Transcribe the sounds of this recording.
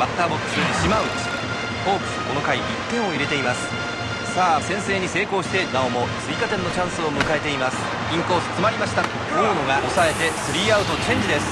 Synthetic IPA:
mat̪ːaːbokːɯ̟̥sɨɕimaɯ̟sɨ̥ | oːpɯ̥ko̞no̞kaiit̪ːẽ̞ɰ̃o̞iɾe̞t̪e̞imasɨ̥ | saːsẽ̞ɰ̃se̞ːɲ̟ise̞ːko̞ːɕi̥t̪e̞naomo̞t͡sɨikat̪ẽ̞nːo̞t͡ɕãɰ̃sɨo̞mɯ̟kae̞t̪e̞imasɨ̥ | ĩŋko̞ːsɨ̥t͡sɨmaɾʲimaɕi̥t̪a | oːnoɡaʔo̞sae̞t̪e̞sɨɾʲiːaɯ̟t̪o̞t͡ɕẽ̞ɲ̟d͡ʑid̪e̞sɨ̥

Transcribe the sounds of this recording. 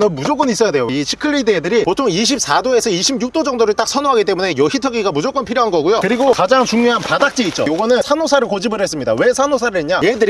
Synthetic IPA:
nɯnmud͡ʑok͈ʌnis͈ʌjadwejoit͡ɕʰikʰɯɭːidɯedɯɾipotʰoŋiɕ̬ʰip̚s͈adoe̞sʰʌiɕʰibɲuk̚t͈od͡ʑʌŋdoɾɯɭt͈ak̚s͈ʰʌnoɦaɡit͈e̞mune̞jʌçitʰʌɡiɡamud͡ʑok͈ʌnpʰiɾjoɦanɡʌɡujokɯɾiɡokad͡ʑaŋt͡ɕuŋɲoɦanpadak̚t͡ɕ͈iit͡ɕ͈o̰joɡʌnɯnsʰanosʰaɾɯɭkod͡ʑibɯɾɦes͈ɯmɲida̰we̞sʰanosʰaɾɯɭeɲajedɯɾi

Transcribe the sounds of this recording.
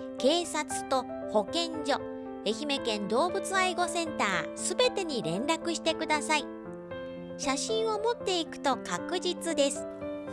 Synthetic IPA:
ke̞ːsat͡sɨ̥t̪o̞ | ho̞kẽ̞ɲd͡ʑo̞ | e̞çime̞kẽ̞nd̪o̞ːbɯ̟t͡sɨaiɡo̞sẽ̞nt̪a̰ːsɨbe̞t̪e̞ɲ̟iɾẽ̞nɾakɯ̟ɕi̥t̪e̞kɯ̟d̪asai | ɕaɕĩɰ̃o̞mo̞t̪ːe̞ikɯ̟̥t̪o̞kakɯ̟d͡ʑit͡sɨd̪e̞sɨ̥

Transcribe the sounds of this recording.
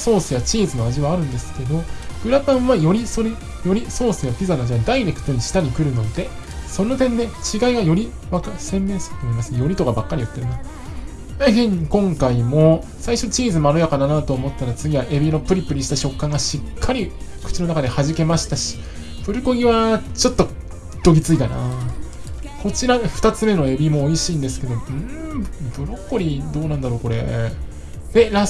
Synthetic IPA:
so̞ːsɨjat͡ɕiːzɨno̞aʑiβaːɾɯ̟̃nd̪esɨ̥ke̞d̪o̞ɡ̥ɯ̟ɾakãɰ̃βajo̞ɾʲisoɾe | jo̞ɾʲiso̞ːsɨjapʲizanaʑiβad̪aiɾe̞kɯ̟̥t̪o̞ɲ̟iɕi̥t̪aɲ̟ikɯ̟ɾɯ̟no̞d̪e̞ | so̞nːot̪ẽ̞nd̪e̞t͡ɕiɡaiɡajo̞ɾʲi | βakasẽ̞mːẽ̞ːsɨɾɯ̟t̪omoimasɨnejo̞ɾʲit̪o̞kabakːaɾijot̪ːeɾimas | eɦẽ̞ɲ̟ːikõ̞ŋkaimo̞ | saiɕo̞t͡ɕiːzɨmaɾojakananat̪o̞ːmo̞t̪ːaɾat͡sɨɡʲiβaʔe̞bʲino̞pɯ̟ɾʲipːɯ̟ɲ̟iɕi̥t̪aɕo̞kːãŋɡaɕikʰːaɾʲikɯ̟̥t͡ɕinoakad̪e̞haʑike̞maɕi̥t̪aɕi̥ | pɯ̟ɾɯ̟ko̞ɡʲiβat͡ɕo̞t̪ːo̞ | t̪o̞ɡʲit͡sɨit̪ana | ko̞t͡ɕiɾaɸɯ̟t̪at͡sɨme̞no̞e̞bʲimo̞ːiɕiːnd̪e̞sɨ̥ke̞d̪o̞ɯ̟̃bɯ̟ɾo̞kːoɾʲid̪o̞ːnãnd̪aɾoːko̞ɾe̞ | d̪eɾa

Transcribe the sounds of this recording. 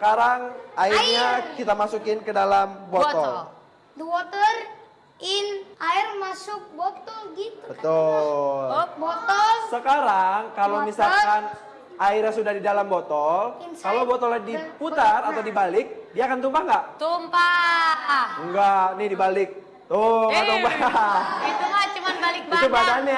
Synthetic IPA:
səkaɾaŋairɲakit̪amasukɪnkədalambɔt̪ɔl | dbɔt̪ər | ɪnʔaɪrmasʊk̚bot̪ɔlɡit̪ubət̪ulbɔt̪ɔlsəkaɾaŋkalowmisalkan | aiɾasudahdidalambɔt̪ɔlnkalobɔt̪ɔladiput̪arat̪awdibalɪk̚diaːkant̪umpaŋɡaʔt̪umpa | ŋɡanɪhdibalɪk̚ | t̪oɡat̪umpa | it̪umat͡ʃəmanbalɪk̚biaubadana

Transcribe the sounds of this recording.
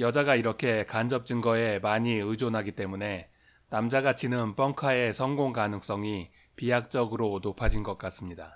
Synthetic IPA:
jʌd͡ʑaɡaiɾʌkʰe̞kand͡ʑʌp̚t͡ɕ͈ɯŋɡʌe̞maɲiɯd͡ʑonɦaɡit͈e̞mune̞ | namd͡ʑaɡat͡ɕʰinɯnp͈ʌŋkʰae̞sʰʌŋɡoŋkanɯŋs͈ʌŋi | pijak̚t͡ɕ͈ʌɡɯɾonopʰad͡ʑinɡʌk̚k͈as͈ɯmɲida

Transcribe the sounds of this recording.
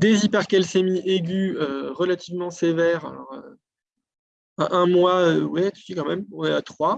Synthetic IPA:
d̪ezipɛʁkɛlsemiʔeɡʲyøʁəlat̪ʰivmɑ̃sevɛʁa̰lɔ̰ʁø̰ | aʔɛ̃mwaøwɛt̪y̥sikɑ̃mɛmwɛat̪χwa

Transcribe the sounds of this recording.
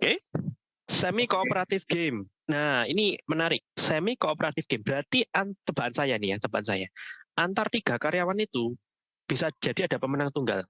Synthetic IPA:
oke | sɛmikoːpəɾat̪ɪfɡ̥em | nainimənaɾɪk̚sɛmikoopəɾat̪ɪfɡ̥embəɾat̪iant̪əb̥aʔansajanijat̪əb̥aʔansajaʔant̪art̪iɡ̥a̤kaɾjawanit̪u | b̥isad͡ʒ̥a̤d̥i̤ad̥a̤pəmənaŋt̪uŋɡal

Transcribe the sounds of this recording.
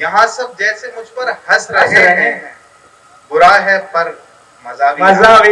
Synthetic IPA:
jɐɦãsɐb̚d͡ʒɛːsemʊd͡ʒʱpɐɾhɐsɾɐeɦɛ̃ | bʊɾaɦɛpɐɾ | mɐzaːʋiɐza

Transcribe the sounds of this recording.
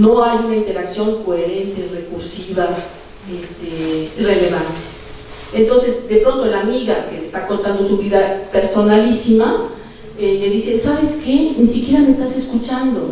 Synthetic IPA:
no̞ajunaint̪e̞ɾaksjo̞ŋkoe̞ɾe̞nt̪e̞ire̞kuɾsiβa | est̪eire̞le̞βant̪e̥ | ent̪o̞nse̞zd̪epɾo̞nt̪o̞elamiɣake̞lest̪ako̞nt̪and̪o̞suβiðape̞ɾso̞nalisima | eme̞ðise̞saβe̞ske̞nisikje̞ɾameest̪ase̞skut͡ʃand̪o̞̰

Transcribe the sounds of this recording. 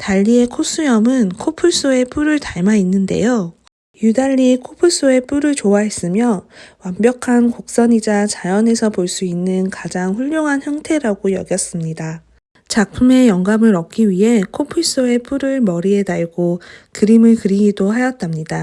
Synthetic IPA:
taʎːie̞kʰos͈ʰujʌmɯnkʰopʰuɭs͈oe̞p͈ʰuɾɯɭtaɭmainːɯnde̞̰jo | judaʎːikʰopʰuɭs͈oe̞p͈uɾɯɭt͡ɕowaɦe̞s͈ɯmjʌwambjʌkʰankok̚s͈ʌɲid͡ʑat͡ɕajʌne̞sʰʌpoɭs͈uinːɯnkad͡ʑaŋɸuʎːoŋɦançjaŋtʰe̞ɾaɡojʌɡjʌs͈ɯmɲida | t͡ɕak̚pʰume̞jʌŋɡamɯɭɾʌk̚k͈iɥiɦe̞kʰopʰɯɭs͈oe̞p͈ʰuɾɯɭmʌɾie̞daɭɡokɯɾimɯɭkɯɾiɡidoɦajʌt̚t͈amɲida

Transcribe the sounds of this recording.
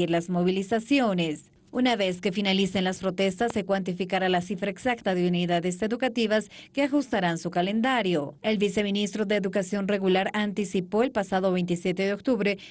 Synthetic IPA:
iɾlazmo̞β̞ilisasjo̞ne̞s | unaβe̞ske̞finalise̞nlaspɾo̞t̪e̞st̪asːe̞kwant̪̬ifikaɾalasifɾaeksakt̪aðeuniðaðe̞se̞ðukat̪iβaskeaxust̪aɾansukale̞nd̪aɾjoe̞lβise̞minist̪ɾo̞ðeːðukasjo̞nre̞ɣulaɾant̪isipo̞e̞lpasaðo̞βe̞jnt̪isje̞t̪e̞ðeo̞k̚t̪uβɾe̞

